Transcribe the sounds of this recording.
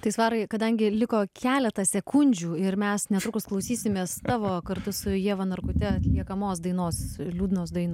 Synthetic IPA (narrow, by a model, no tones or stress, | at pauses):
t̪ɐɪsʋɑːɾɐɪkɐd̪ɐŋʲɡʲɪlʲɪkoːkʲæːlʲɛt̪ɐsʲɛkʰʊnʲd͡ʒʲuːɪɾmʲɛsnʲɛt̪ɾʊkʊsklˠɐʊsʲiːsʲɪmʲeːst̪ɑːʋoːkɐɾt̪ʊsʊjiɛʋɐnɐɾkʊt̪ʲɛɐt̪ʲlʲiɛkɐmoːsd̪ɐɪnoːslʲuːd̪ʲɪnoːsd̪ɐɪno